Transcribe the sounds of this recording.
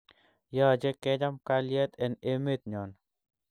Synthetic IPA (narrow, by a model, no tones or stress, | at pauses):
jɔd͡ʒekɛd͡ʒamkaljɛt̪ɛnemet̪̚ɲɔn